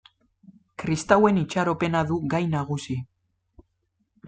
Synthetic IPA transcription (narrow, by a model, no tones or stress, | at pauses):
kɾist̪awe̞nit͡ʃaɾo̞pe̞naðuɣajnaɣusi